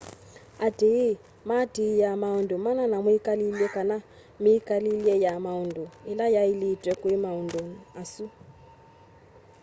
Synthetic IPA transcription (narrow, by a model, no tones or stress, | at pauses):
adʱii | madʱiijamaundumananamuikalilɛkana | miːkalilɛjamaunduilajailitwɛkwimaundonasu